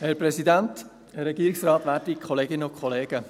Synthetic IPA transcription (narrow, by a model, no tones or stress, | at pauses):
hɛɾpɾɛsidænt̪ | hɛɾːɛɡiːɾiksrɑːt̪ʋæːɾdikʰχɔleːɡɪnʊkʰχɔleːɡə